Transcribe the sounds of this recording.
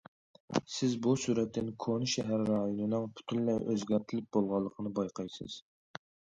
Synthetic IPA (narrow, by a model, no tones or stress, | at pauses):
sɪzbusuɾɛt̪ʰːɪnkʰonʃɛɦæɾːɑjonɨnɨŋpʰy̥t̪ʰynlɛjʔøzɡʲɛɾt̪ʰɪlɪp̚bolˠʁɑlˠːəqʰənɨbɑjqʰɑjsɨ̰z̥